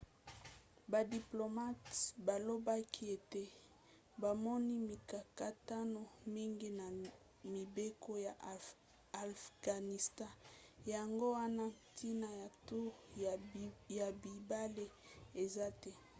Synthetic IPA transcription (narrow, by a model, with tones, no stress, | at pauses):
ba˨di˨plo˨ma˦tba˨lo˦ba˦kʰi˦e˨te˦ | ba˨mɔ˦ni˦mi˨ka˨ka˦ta˦no˨mi˦ŋɡi˦na˨ | mi˨be˦ko˦ja˨ | a˨fɡ̥a˨ni˨stã˦ja˨ŋɡo˦wa˦na˦tʰi˦na˨ja˨tu˦ | ja˨bi˨ba˦le˦e˨za˦tɛ˦